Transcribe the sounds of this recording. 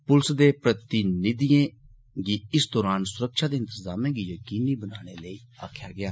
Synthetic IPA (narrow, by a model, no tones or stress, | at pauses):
pʊlsd̪eːpɾət̪ɪnɪd̪iẽː | ɡiːɪsd̪ɔːɾaːnsʊɾəkʃaːd̪eːɪnt̪əzaːmẽːɡiːjəkiːniːbənaːɽ̃eːləiː | a̰ːkʰjaːɡɪjaː